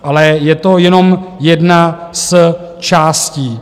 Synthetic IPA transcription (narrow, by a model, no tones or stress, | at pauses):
ʔalɛjɛt̪o̞jɛno̞mjɛdnas | t͡ʃaːsciː